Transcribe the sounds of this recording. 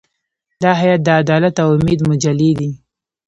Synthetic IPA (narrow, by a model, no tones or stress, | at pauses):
d̪ɑɦajat̪̚d̪əad̪ɑlat̪awʊmed̪mʊd͡ʒalːed̪i